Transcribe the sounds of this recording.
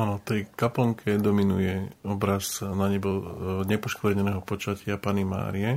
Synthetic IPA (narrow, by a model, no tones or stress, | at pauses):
anɔt̪ɛjkapɔŋkʰɛd̪ɔminujɛɔbɾaznaɲɛbɔɲɛpɔʃklɛɲɛnɛːɦɔpɔt͡ʃacɪapanima̰ːɾiɛ